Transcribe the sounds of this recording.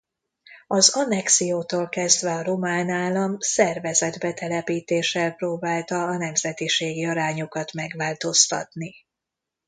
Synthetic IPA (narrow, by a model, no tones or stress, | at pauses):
ɒzɒnɛksijoːt̪oːlkɛzd̪vɛɒɾomaːnaːlːɒmsɛrvɛzɛd̪bɛt̪ɛlɛpiːt̪eːʃɛlproːbaːlt̪ɒːnɛmzɛt̪iʃeːɡiɒɾaːɲokɒt̪mɛɡʋaːlt̪o̞st̪ɒ̰t̪ni